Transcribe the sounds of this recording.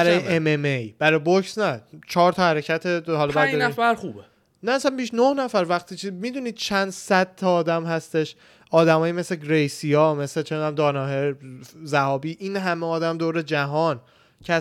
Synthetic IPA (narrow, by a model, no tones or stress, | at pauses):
æɾɒːjeʔememejb̥æɾɒjbocsnæt͡ʃʰɒːɾt̪ʰɒhæɾecʰæt̪ʰeɦɒlɒbæːd̪ɒnæfæɾχuːbe | næːsænbiʃnohnæfæɾvæχt̪ʰiːt͡ʃʰimiːd̪uːniːd̪̥̚t͡ʃʰænd̪sæd̪̥̚t̪ʰːɒːd̪æmhæst̪e̞ʃ | ʔɒːd̪æmɒːjime̞sleɡɾejsijɒːmeslet͡ʃʰend̪æmd̪ɒːnɒːɦezæhɒːbiːʔiːnɦæmeɒːd̪æmd̪oːɾed͡ʒæɦɒːn | cʰe